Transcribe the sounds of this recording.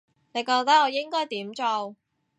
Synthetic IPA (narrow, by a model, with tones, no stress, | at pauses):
ne˨˧jkɔː˧k̚t̪ɐ˥k̚ɔː˨˧jɪ˥ŋkɔː˥jt̪iː˨˥mt͡so˧w